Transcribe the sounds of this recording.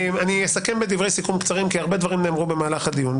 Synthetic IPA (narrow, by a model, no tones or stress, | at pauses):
manijesake̞mbed̪ivʁe̞jsikumkt͡saʁimkiaʁbed̪vaʁimneːmʁube̞maːlaχad̪ijun